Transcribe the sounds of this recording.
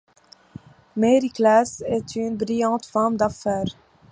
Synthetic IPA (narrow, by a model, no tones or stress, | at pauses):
meɾiklasɛt̪ʰynbɾijɑ̃ːt̪fɔʁmd̪afɛːɾ